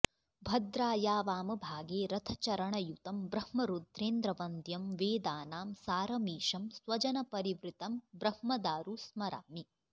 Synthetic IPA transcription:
bʱɐd̪ɾaːjaːʋaːmɐbʱaːɡeːɾɐt̪ʰɐt͡ʃɐɾɐɳɐjut̪ɐmbɾɐhmɐɾud̪ɾeːnd̪ɾɐʋɐnd̪ʱjɐmʋeːd̪aːnaːmsaːɾɐmiːʃɐmsʋɐt͡ʃɐnɐpɐɾiʋɾit̪ɐmbɾɐhmɐd̪aːɾusmɐɾa̰ːmi

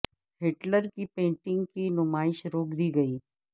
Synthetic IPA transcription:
ɦeːʈləɾkipẽːɳʈɪ̃ŋɡkinʊmaːɪʃɾoːkd̪iɡɐiː

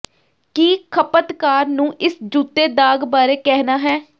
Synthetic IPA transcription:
kiːkʰəpət̪kaːɾnũːʔɪsd͡ʒuːt̪ːeːd̪aːɡbaːɾeːkɛɦnaːɦɛː

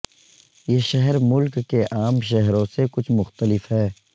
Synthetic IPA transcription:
jeːʃɛɦɛɾmʊlkːeʔaːmʃ̬ɛɦɾõsekʊt͡ʃʰmʊxt̪əlɪfɦɛː

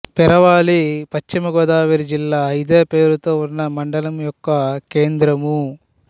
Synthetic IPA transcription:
pɛɾɐʋaːlipɐt͡ʃt͡ʃimɐɡɔːd̪aːʋiɾid͡ʒilːaːid̪e̞ːpe̞ːɾut̪o̞ːunːɐmɐɳɖɐlɐmjɔkːɐke̞ːnd̪ɾɐmu

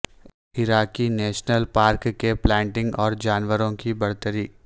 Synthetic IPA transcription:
ɪɾaːkineːʃnəlpaːɾkːeplɛ̃ːɳʈɪ̃ŋɡɔːɾd͡ʒaːnʋəɾõkibɐɽ̤t̪əɾiː

